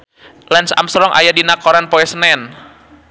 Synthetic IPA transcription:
lɛnsa̰msɾɔŋʔa̰jadinakɔɾanpoɛsnɛn

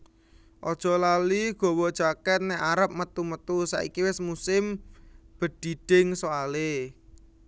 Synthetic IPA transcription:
ʔɔd̥ʒ̥ɔ̤laliɡ̥ɔ̤wɔd̥ʒ̥a̤kɛt̪̚nɛʔaɾəp̚mət̪umət̪usa̰ʔḭkiwɪsmusɪmb̥ə̤d̥i̤d̥ɪŋsoale

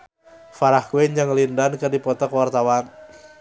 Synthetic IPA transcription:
faɾahkueɲd͡ʒəŋlindankərdipɔt̪ɔkwart̪awan

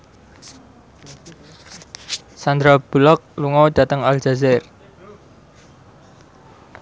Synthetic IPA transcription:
sand̪ɾab̥ulɔk̚luŋɔwd̥ä̤t̪əŋald͡ʒ̥azɛr

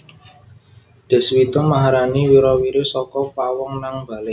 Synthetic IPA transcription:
ɖ̪̥ɛ̤swit̪ɔmaɦaɾaniwiɾɔwiɾesɔkɔpawɔŋnaŋb̥a̤lɛ

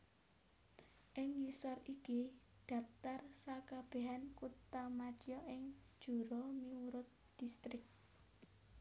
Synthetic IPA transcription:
ʔɪŋɲisɔriki | d̪̥ä̤p̚t̪arsakab̥e̤ɦankut̪amat͡ʃjɔʔɪŋ̥ | ʒ̥ṳɾɔmiwuɾʊt̪̚ | d̪̥ist̪ɾɪk̚

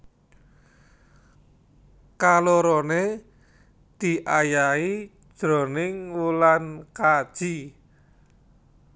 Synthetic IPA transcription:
kaloɾone | d̪̥i̤ʔajai̥ | ʒ̥ɾo̤nɪŋwulankad̥ʒ̥i

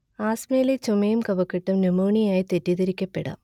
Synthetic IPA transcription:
aːsmeːlɐt͡ʃʊmɐjɯmkɐʋɐkːɪʈːɐmnumoːɳijaːjt̪ɛʈːiðɐɾɪkʲːɐpːɛ̰ɽa̰ːm

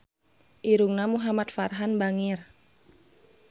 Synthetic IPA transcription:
ʔiɾuŋnamuɦamat̪̚farɦanbaŋir

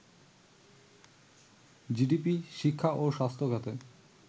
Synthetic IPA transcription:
d͡ʑiɖipiʃikʰːaʔoʃast̪ʰokat̪e

